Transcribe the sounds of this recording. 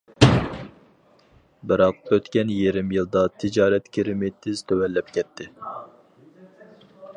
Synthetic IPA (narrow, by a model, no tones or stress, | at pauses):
bɪɾɑqøt̪kʲɛnjeɾɪmjilˠd̪ɑt̪ʰɪd͡ʒɑːɾɛt̪kʲʰeɾɪmet̪ʰːɪz̥t̪ʰøwɛlːɛp̚kʲɛt̪ʰːɪ